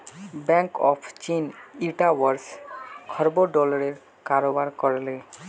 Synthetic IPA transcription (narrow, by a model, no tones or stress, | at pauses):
bɛŋkɔ̰pʰt͡ɕiniʈawaɾskʰɔɾboɖɔlaɾeɾ | kaɾobaɾkɔɾale